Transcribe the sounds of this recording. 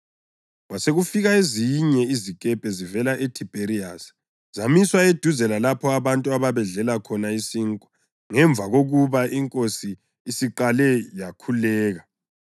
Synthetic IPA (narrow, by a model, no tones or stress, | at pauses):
waseɣufiɣaeziɲɛizikʼɛb̥ʱɛzivɛlaʔetʰib̥ʱeɾias | zamiswaed̥ʱuzɛlalapʰɔaβantʼuaβaβɛɮɛlakʰɔnaisiŋkʼwḁ | ŋɛɱb̪vʱaɣoɣuβaʔiŋkʼosiː | siǃalɛjakʰulɛːɣa